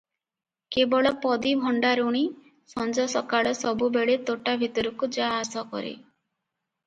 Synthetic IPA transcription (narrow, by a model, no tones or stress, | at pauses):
kebɔɭɔpɔd̪ibʱɔɳɖaɾuɽ̃i | sɔnd͡ʒɔsɔkaɭɔsɔbubeɭet̪oʈabʱit̪ɔɾukud͡ʒaːsɔkɔ̰ɾḛ